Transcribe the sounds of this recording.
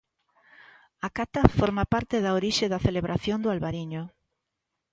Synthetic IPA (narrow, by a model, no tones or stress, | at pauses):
akat̪afoɾmapaɾt̪eðaoɾiʃeðɐθeleβɾʔaθjond̪ʊalβaɾiɲo